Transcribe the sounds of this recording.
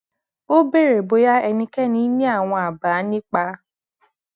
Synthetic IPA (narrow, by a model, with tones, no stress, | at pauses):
o˦be˦ɾe˨bo˨ja˦ɛ˨nĩ˦ke˦ni˦me˦a˨ŋʷɔ˨a˨baː˨a˦nɪ˦k͡pa˦